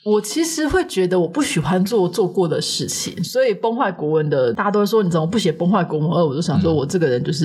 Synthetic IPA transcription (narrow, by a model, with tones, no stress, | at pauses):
wɔ˨˩t͡ɕʰi˧˥ʂɻ̩˧˦xwe˥˩ɪt͡ɕɥɛ˧˥d̪ə˧wɔ˨˩pu˥˩ɕi˨˩xwa˦nt͡swɔ˥˨t͡swɔ˥˧kwɔ˥˩d̪ə˩ʂɻ̩˥˩t͡ɕʰḭ˨˩ŋswɔ˧˥i˨˩pɔ˥ŋxwa˥˩ɪkwɔ˧˥wə˧˦nd̪ə˨t̪a˥˩a˧˥t̪o˥wwni˨˩ə˧˩˦m˧˨˦pu˥˩ɕjɛ˨˩˦pɔ˥ŋxwa˥˩ɪkwɔ˧˥ŋwə˧˦nə˧˥wɔ˨˩jo˥ʊɕwɔ˥wɔ˨˩ʈ͡ʂɤ˥˩ɡə˩ɻə˧˦nt͡ɕjo˥˧ʊʂɻ̩˥˩